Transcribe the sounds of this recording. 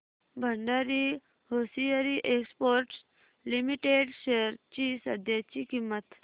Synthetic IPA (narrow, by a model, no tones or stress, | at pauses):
bʱəɳɖaɾi | hosijəɾiʔekspoɾʈs | limiʈeɖɕeɾt͡ɕisəd̪ʱjat͡ɕikimːət̪